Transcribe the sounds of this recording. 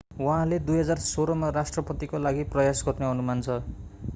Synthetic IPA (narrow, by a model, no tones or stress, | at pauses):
waɦãled̪ujɦʌd͡zarsoɾʌmarasʈrʌpʌt̪ikolaɡiprʌjasɡʌrneʌnumant͡sʰʌ